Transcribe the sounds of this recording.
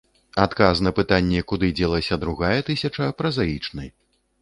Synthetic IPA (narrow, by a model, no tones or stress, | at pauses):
at̪kasnɐpɨt̪anʲːɛkud̪ɨd͡zʲɛlˠɐsʲɐd̪ɾuɣajɛt̪ɨsʲɐt͡ʂɐpɾɐzajit͡ʂnɨ̰j